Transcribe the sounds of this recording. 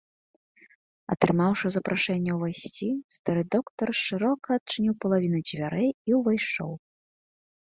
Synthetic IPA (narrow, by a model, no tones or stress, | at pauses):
ɐ̰t̪ɾɨmawʂɨzɐpɾʔaʂɛnʲːɐwvajsʲt͡sʲist̪aɾɨd̪ɔkt̪ɐrʂɨɾɔkɐːt̪̚t͡ʂɨnʲiwpɐlˠavʲinud͡zʲvʲaɾɛjiwvajʂt͡ʂɔ̰w